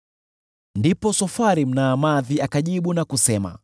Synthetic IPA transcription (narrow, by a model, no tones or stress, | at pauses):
ndipɔsɔfaɾim̩naːmaðiakaʄiɓunakusɛma̰